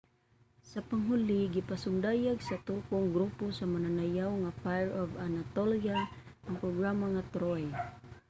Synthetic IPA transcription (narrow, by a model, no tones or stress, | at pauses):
sapaŋɦuliɡipasʊnd̪ajaɡsat̪ukʊŋɡɾuposamananajawŋafajɛɹɔvanat̪olia | ʔaŋpɾɔɡɾamaŋat̪ɾoj